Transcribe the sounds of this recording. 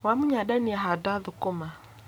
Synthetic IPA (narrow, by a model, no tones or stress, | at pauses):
wamuɲaɗaniaɦadaðukʊma